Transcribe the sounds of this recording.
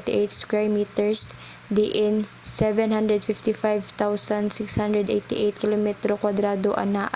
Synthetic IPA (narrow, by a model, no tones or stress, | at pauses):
t̪ɪʔɛt̪skwɛɹmiːt̪ɛɹs | d̪ɪʔɪn | sɛvɛnɦãnd̪ɾɛd̪̚fɪft̪ɪfajvt̪awsansɪkshand̪ɾɛd̪ʔejt̪ɪʔejt̪̚kɪlomɛt̪ɾokwɐd̪ɾaːd̪oʔɐ̰naʔ